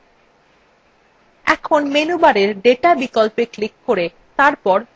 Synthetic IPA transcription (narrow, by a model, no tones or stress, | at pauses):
ɛkʰonmenubaɾeɾɖeʈabikɔlpeklikːoɾe | t̪aɾpɔɾ